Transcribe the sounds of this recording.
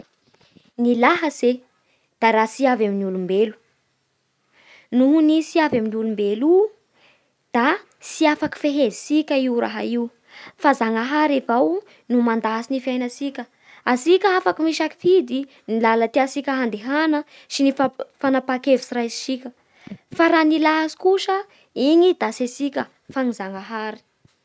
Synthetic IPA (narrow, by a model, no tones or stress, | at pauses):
nilaɦəze | d̪̥aɾasiavaminiulumbelu̥ | nuɦunisiavaminiulumbelu | d̪̥a | siafaki̥feɦezisikʲəiwɾa̰ɦa̰iw | fazaŋaɦaɾevaw | numand̪asinifiajnasikʲə | asikʲəafakimiʃaki̥fid̪i | nilalət̪iasikʲəɦand̪eɦanə | sinifafanapakevisiɾajsi̥sikʲə | faɾanilaɦasi̥kuʃə | iɲid̪asesikʲə | faŋizaŋaɦaɾi̥